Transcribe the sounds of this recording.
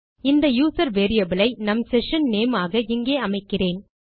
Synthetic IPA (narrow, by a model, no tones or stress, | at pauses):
ɪnd̪ɐjuːsɐɾʋeːɾɪjɐbɪlɐɪnɐmsɛʂɐnneːmaːɣɐɪŋɡeːɐmɐɪkːɪreːn